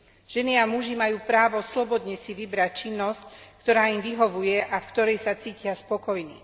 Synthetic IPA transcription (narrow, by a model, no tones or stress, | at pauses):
ʒ̥ɛniamuʒimajuːpɾaːʋɔslɔbɔd̪ɲɛsiʋibɾac̚t͡ʃinːɔsckt̪ɔɾaːimʋiɦɔʋujɛʔafkt̪ɔɾɛjsat͡siːcɪaspɔkɔjnḭ